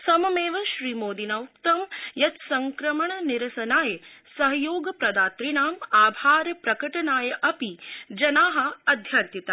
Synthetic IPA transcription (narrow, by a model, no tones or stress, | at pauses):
sɐmɐmeːʋɐʃɾiːmoːd̪inɐːukt̪ɐmjɐt̪sɐŋkɾɐmɐɳɐniɾɐsɐnaːjɐsɐɦɐjoːɡɐpɾɐd̪aːt̪ɾiɳaːmaːbʱaːɾɐpɾɐkɐʈɐnaːjɐʔɐpid͡ʒɐnaːɦɐ̆ɐd̪ʱjɐnt̪it̪ɐ